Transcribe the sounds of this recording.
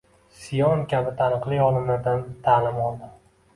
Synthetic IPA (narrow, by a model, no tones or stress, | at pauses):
sijɒnkʲʰabɪt̪ʰanɨqlˠiɒlˠɪnad̪ant̪ʰalɪmɒlˠd̪ɪ